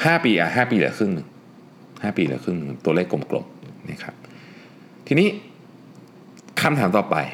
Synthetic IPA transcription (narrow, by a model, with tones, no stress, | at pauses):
haː˥˩piː˧ʔa̰˨˩ɦaː˥˩piː˧lɯ̰˩˦kʰɯ˥˩ŋnɯ˨˩ŋ | haː˥˩piː˧lɯ̰˨˩˦kʰɯ˥˩ŋnɯ˨˩ŋ˩t̪u˧leː˥˩kːlo˨˧˩mklo̰˨˩mna˦˥˩kʰa̰˦˥p̚ | t̪ʰiː˧niː˦˥˩ | kʰa˧mt̪ʰaː˩˦mt̪ɔː˨˩pa̰˧j